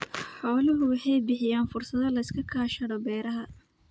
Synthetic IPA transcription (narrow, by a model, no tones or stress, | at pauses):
ħɔːlɐɦʊwɑħɑjbɪħɪjaːnfʊrsɐðɐlɐɪskʰɐkʰaːʃɐɽɔbɛːɾɐɦɐ